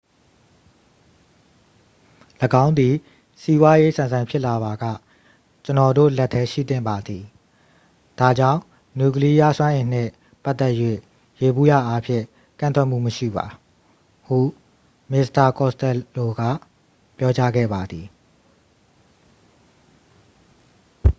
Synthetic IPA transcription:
ləɡã˦ʊ̃nd̪i˨ | si˦bwa˦je˦sã˨nzã˨mpʰɪ˦ʔla˨βa˨ɡä̰˦˨ | t͡ɕə˨nɔ˨do̰˦˨lɛ˦tʰːɛ˦ʃḭ˦˨t̪ɪ̰̃˦˨mba˨d̪i˨ | d̥a˨d͡ʑã˦˨ʊ̃ | nju˨k̬əli˦ja˦swã˦ʔɪ̃˨n̥ɪ̰̃˦˨ | pa˦t̪ːɛ˦ʔjwḛ˦˨ | je˨bu˦˨ja̰˦˨ʔa˦pʰjɪ̰̃˦˨ | kã˦˨nt̪wɛ˦ʔm̥ṵ˦˨məʃḭ˦˨ba̰˨ | hṵ˦˨ | mɪ˦sta˨kɔ˦˨stɛ˨lo˨ɡä̰˦˨ | pjɔ˦t͡ɕa˦ɡɛ̰˦˨ba˨d̪ði˨

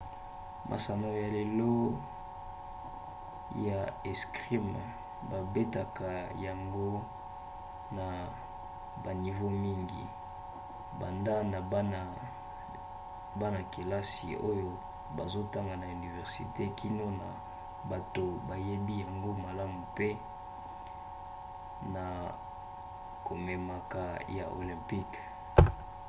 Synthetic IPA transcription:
mʔa̰˨sa˨no˨ja˨le˨lɔ˦ | ja˨e˨skʁi˦m˨ | ba˨be˦ta˨ka˨ja˨ŋɡo˦ | na˨ | ba˨ni˨vo˦mi˦ŋɡḭ˨ | ba̰˨nda˦na˨bn˨ | ba˦na˨ke˨la˦sḭ˨o˦jo˦ | ba˨zo˦ta˦ŋɡa˨na˨y˨ni˨vɛ˨ʁsḭ˨te˦kʰi˦no˦na̰˨ | ba˨to˨ba˨je˦bi˦ja˨ŋɡo˦ma˨la˦mu˨pe˦ | na˨ | ko˨me˨ma˨ka˨ja̰˨ʔo̰˨lɛ̃˨mpi˦k

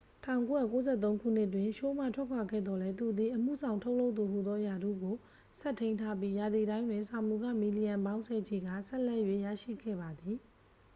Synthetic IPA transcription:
tʰã̰˦˨ʊ̃ŋko˦ja̰˦˨ko˦zɛ̰˦t̪̬õ˦ŋkʰṵ˦˨n̥ɪ˦t̬wɪ̃˨ʃo˦m̥a̰˦˨tʰwɛ˦˨kʰwa˨ɡɛ̰˦˨d̪ɔ˦lɛ˦t̪u˨d̪i˨ʔəm̥ṵ˦˨zʰã˨ʊ̃ntʰo˦ʊʔlo˦t̪ːu˨ɦu˨d̪ɔ˦ja˨d̪ṵ˦˨ɡo˨ | sʰɛ˦tʰẽ˦ntʰa˦p̬ji˦ja˨d̪i˨dã˦ɪ̃ndwɪ̃˨nsa˨mu˨ɡä̰˦˨mi˨li˨jã˨mbã˦ʊ̃nsʰɛ˨d͡ʑe˨ɡä̰˦˨sɛ˦lɛ˦˨jwḛ˦˨ja̰˦˨ʃḭ˦˨ɡɛ̰˦˨ba˨d̪i˨

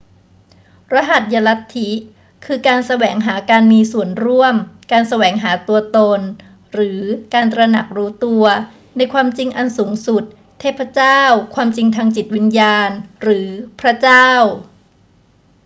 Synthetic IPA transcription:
ɾa˧˦˥ɦa˨˩t̪̚ja˧la˦˥t̪ʰːi˦˥ | kʰɯː˧kaː˧nsa˧wɛː˩˦ŋɦaː˩˦kaː˧nmiː˧su˨˩ənɾu˥˩əmkaː˧nsa˧wɛː˩˦ŋɦaː˩˦t̪u˧ɐt̪o˧n | ɾɯː˩˦kaː˧nt̪ɾa˧na˨˩k̚ɾuː˦˥t̪u˧ɐ | na˧jkʰwaː˧mt͡ɕi˧ŋʔa˧nsuː˩˦ŋsu˨˩t̪̚ʰːeː˥˩pʰɾa˦˥t͡ɕaː˥˩wkʰwaː˧mt͡ɕi˧ŋt̪ʰaː˧ŋt͡ɕi˨˩t̪̚wi˧njaː˧nɾɯː˩˦pʰɾa˦˥t͡ɕaː˥˩w

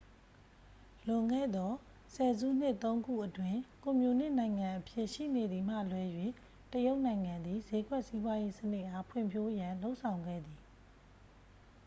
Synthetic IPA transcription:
lʊ̃˨ŋɡɛ̰˦˨d̪ɔ˦ | sɛ˨zṵ˦˨n̥ɪ˦ʔt̪õ˦ʊ̃ŋɡṵ˦˨ʔətwɪ̃˦˨kõ˨mjo˨nɪ̰̃˦˨nã˨ɪ̃ŋã˨ʔəpʰjɪ˦˨ʔʃḭ˦˨ne˨d̪ði˨m̥ä̰˦˨lwɛ˦jwḛ˦˨ | təjo˦ʊʔnã˨ɪ̃ŋã˨nd̪i˨ze˨˦ɡwɛ˦ʔsi˦bwa˦je˦sənɪ˦ʔha˦˨pʰwɪ̰̃˦˨mpʰjo˦jã˨lo˦ʊʔsʰã˨ʊ̃ŋɡɛ̰˦˨d̪i˨

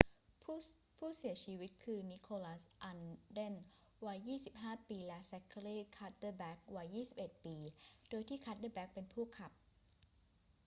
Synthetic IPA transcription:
p | pʰuː˥˩si˨˩˦ɐt͡ɕʰiː˧wi˦˥t̪̚kʰɯː˧ni˦˥kʰoː˧la˦˥sʔa˧nde˥˩n | wa˦˥jːiː˥˩si˨˩p̚ɦaː˥˩piː˧lɛ˦˥sɛ˧˦kʰə˧ɾiː˥˩kʰa˦˥t̪̚də˧˩bɛː˦˥k̚wa˦˥jːiː˥˩si˨˩p̚ʔe˨˩t̪̚piː˧doː˧jt̪ʰiː˥˩kʰa˦˥t̪̚də˧bɛː˦˥k̚pe˧npʰuː˥˩kʰa˨˩p̚

